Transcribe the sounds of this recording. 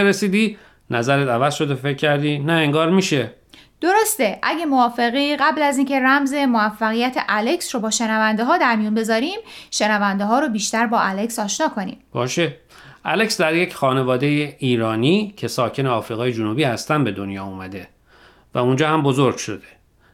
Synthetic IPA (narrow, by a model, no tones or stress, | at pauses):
eɾesiːd̪iː | nʔæzæɾet̪ævæz̥ʃo̞d̪efecʰːæɾd̪iːnæeŋɡɒːɾmiːʃe̞ | d̪̥o̞ɾost̪eʔæɟe̞movɒːfe̞ɣiɢæblæzinŋcʰe̞ræmze̞moæfːæɣijæt̪ʰe̞ʔæle̞csrobɒːʃe̞nævænd̪eɦɒːd̪æɾmijunbe̞zɒːɾiːmʃe̞nævænd̪eɦɒːɾobiːʃt̪æɾbɒːʔæle̞ksɒːʃnɒːkʰo̞nḭːmb̥ɒːʃe | ʔæle̞ksd̪æɾje̞cxɒːne̞vɒːd̪ejeiːɾɒːniːcʰe̞sɒːcʰe̞neɒːfɾiɣɒːje̞d͡ʒonuːbiːhæst̪ænbe̞d̪onjɒːuːmæd̪e̞ | væund͡ʒɒːhæmbo̞zoɾɡ̥ʃo̰d̪e̞